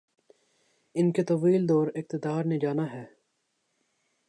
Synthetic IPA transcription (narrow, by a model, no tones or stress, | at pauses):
ɪnket̪ɐʋiːld̪ɔːɾɪk̚t̪ɪd̪aːɾned͡ʒaːnaɦɛː